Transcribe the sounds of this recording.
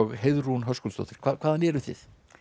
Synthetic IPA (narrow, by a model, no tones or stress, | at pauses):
ɔɣɦeðrunɦœskɔlst̪ɔ̰t̪ɪɾ̥kʰvaːkʰvaːðanjɛɾʏθɪ̰ð